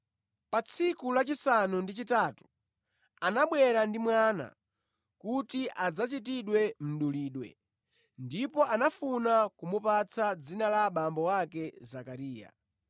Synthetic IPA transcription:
pat͡sʰikulat͡ʃisanundit͡ʃitaːtu̥ | anaɓwɛɾandimwana̰ | kutiʔad͡zat͡ʃit̬iɗwɛm̩ɗuliːɗwɛ̰ | ndipɔanafunakumupat͡sʰad͡zinalaɓambɔwakɛzakaɾiːja̰

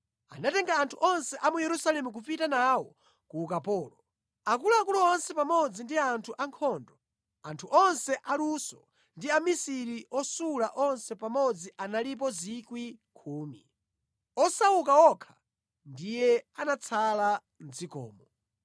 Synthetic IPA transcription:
a̰natɛŋɡaːntʰuʔɔnsɛʔamujɛɾusalɛmuk̬upitanaːwɔ | kuːkapɔːlɔ | ak̬ulaːkulɔwɔnsɛpamɔd͡zindiantʰuʔaŋkʰɔːndɔ | antʰuʔɔnsɛʔalusɔ | ndiamisiɾiɔsulaʔɔnsɛpamɔd͡ziʔanalip̬ɔzikwikʰuːmi | ɔsaukawɔkʰḁ | ndijɛanat͡sʰala | n̩d͡zikɔ̰ːmɔ

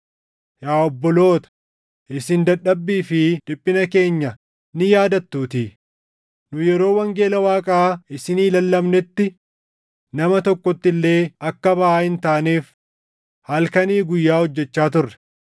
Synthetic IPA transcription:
jaːɔbːɔlo̞ːt̪ɐ̥ | ʔɪsɪnd̪ɐɗːɐbːiːfɪd̪ɪpʼːɪnɐke̞ːɲːɐ | nɪjaːd̪ɐt̪ːuːt̪iː | nʊjɛɾo̞ːwɐŋɡe̞ːlɐwaːkʼaːɪsɪniːlɐlːɐmnɛt̪ːɪ | nɐmɐt̪ɔkːɔt̪ːɪlːe̞ːɐkːɐbɐʔaːɪnt̪aːneːf | hɐlkɐniːɡʊjːaːhɔd͡ʒːɛt͡ʃːaːt̪ʊrːɛ̥

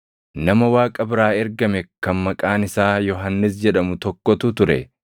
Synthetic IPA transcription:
nɐmɐwaːkʼɐbɪɾaːɛɾɡɐmɛkɐnmɐkʼaːnɪsaːjɔɦɐnːɪs̬d͡ʒɛᶑɐmʊt̪ɔkːɔt̪ʊt̪ʊɾɛ̰

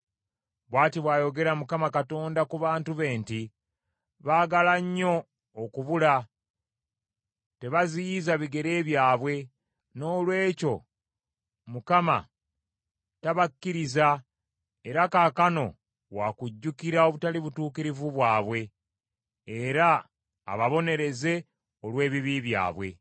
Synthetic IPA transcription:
βwaːtiβwaːjo̞ɡe̞ɾamukamakato̞ːndakuβaːntuβe̞ːnti | βaːɡalaɲːo̞ː | kuβula | te̞βazijizaβiɡe̞ɾe̞ːβjaːβwe̞ | no̞ːlwe̞ːco̞̰ | mukama̰ | taβakːiɾiza | e̞ɾakaːkano̞ | wakuɟːukiɾao̞βutaliβutuːkiɾivuβwaːβwe̞ː | ɾa̰ː | βaβo̞ne̞ɾe̞ze̞ | o̞lwe̞ːβiβiβja̰ːβwe̞

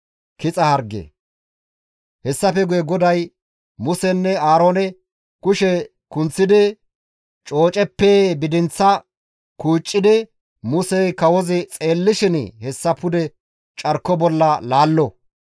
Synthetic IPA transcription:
kɪt͡sʼɐhɐɾɡḛ | hɛsːɐfɛɡʊjɛɡɔd̪ɐj | mʊsɛnːɛaːɾoːnɛ | kʊʃɛ | kʊnt͡sːɪd̪ɪ | t͡ʃʼo̞ːt͡ʃʼɛpːeːbɪd̪ɪnt͡sːɐ | kuːt͡ʃʼːɪd̪ɪ | mʊsɛjkɐwɔzɪt͡sʼeːlːɪʃɪn̰hɛsːɐpʊd̪ɛ | t͡ʃʼɐɾkːɔbɔlːɐlaːlːɔ

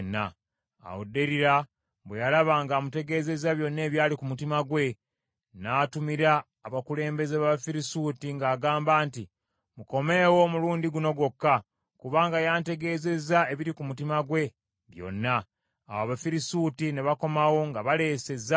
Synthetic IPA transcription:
nːa̰ | a̰wodːe̞ɾiɾa | βwejalaβaŋɡaːmute̞ɡe̞ːze̞zaβjo̞nːe̞ːβjaːlikumutimaɡwe̞ | naːtumiɾaː | βakule̞ːmbe̞zeβaβafiɾisutiŋɡaːɡaːmbaːnti | muko̞me̞ːwo̞muluːndiɡuno̞ɡwo̞kːa | kuβaːŋɡajaːnte̞ɡe̞ːze̞zae̞βiɾikumutimaɡwe̞ | βjo̞̰nːa̰ː | waβafiɾisutineβako̞mawo̞ŋɡaβale̞ːse̞za

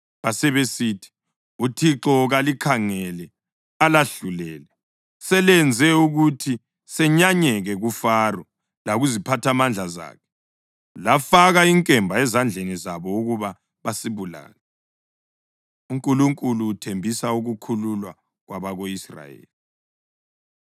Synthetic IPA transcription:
βasɛβesiːtʰi̥ | utʰiǁɔɣalikʰaŋɛlɛ | alaɬulɛːlɛ | sɛlɛnd͡zʱɛuɣutʰi | sɛɲaɲɛɣɛɣufaːrɔ | laɣuzipʰatʰamand͡ɮʱaza̰ːkʰɛ̥ | lafaɣaiŋkʼɛmbʱaɛzand͡ɮʱenizaβɔuɣuβa | βasiβula̰ːnɛ | uŋkʼuluŋkʼuluːtʰembʱisauɣukʰululwa | ɣwaβaɣoisra̰jḛːli

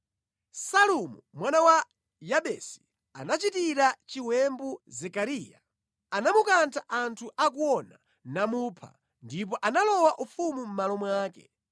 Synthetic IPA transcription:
salumumwanawa | jaɓɛsi̥ | a̰nat͡ʃitiɾat͡ʃiwɛmbuzɛkaɾiːja | anamukantʰaʔantʰuʔak̬uɔna | namupʰa̰ | ndip̬ɔʔanalɔwaʔufumum̩malɔmwaːkɛ̰

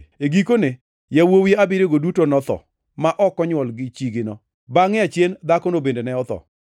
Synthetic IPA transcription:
eɡikone | jawowiabɪɾeɡodutonɔt̪ɔ̰ | maʔɔkɔɲwɔlɡɪt͡ʃiɡɪnɔ | baŋɪat͡ʃjend̪akonobendenɛɔt̪ɔ̰

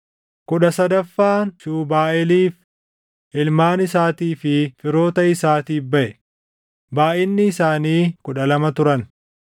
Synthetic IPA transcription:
kʊᶑɐsɐd̪ɐfːaːnsuːbaːʔɛliːf | ʔɪlmaːnɪsaːt̪iːfɪfɪɾo̞ːt̪ɐɪsaːt̪iːbɐʔɛ | baːʔɪnːɪːsaːniːkʊᶑɐlɐmɐt̪ʊɾɐn

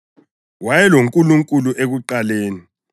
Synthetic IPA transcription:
wajɛloŋkʼuluŋkʼuluʔek̬uǃaleːni

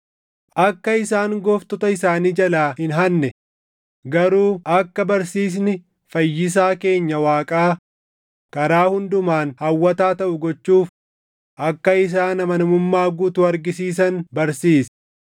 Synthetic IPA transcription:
ʔɐkːɐɪsaːŋɡɔft̪ɔt̪ɐɪsaːniːd͡ʒɐlaːhɪnɦɐnːɛ | ɡɐɾuːɐkːɐbɐɾsiːs̬nɪ | fɐjːɪs̬aːke̞ːɲːɐwaːkʼaː | kɐɾaːhʊnd̪ʊmaːnhɐwːɐt̪aːt̪ɐʔʊɡɔt͡ʃːuːf | ʔɐkːɐɪs̬aːnɐmɐnɐmʊmːaːɡuːt̪ʊɐɾɡɪsiːs̬ɐnbɐɾsiːsɐ̥

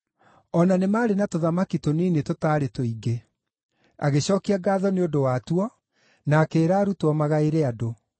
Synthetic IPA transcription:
ɔnanemaːɾenatoðamakitoniːnetotaːɾetoiɡe | a̰ɣeɕɔːkiaɡaːðɔneondowatwɔ | naːkeːɾaːɾutɔmaɣaeɾeado

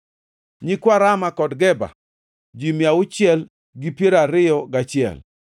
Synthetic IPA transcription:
ɲikwaɾamakɔdɡɛba̰ | d͡ʒimjaʊt͡ʃɪɛl | ɡipjeɾaɾɪjɔɡat͡ʃɪɛ̰l

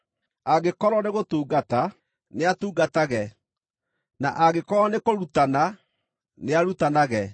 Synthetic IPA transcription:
aɡekɔɾɔneɣotuːɡata | neatuːɡataɣɛ | na̰ʔaɣekɔɔnekoɾutana | neaɾutanaɣɛ

